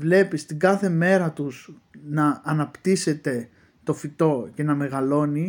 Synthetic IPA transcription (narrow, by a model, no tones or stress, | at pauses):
vle̞pist̪iɡɐθe̞me̞ɾɐt̪us | nɐːnɐpt̪ise̞t̪e̞ | t̪o̞fit̪o̞ce̞nɐme̞ɣɐlo̞ni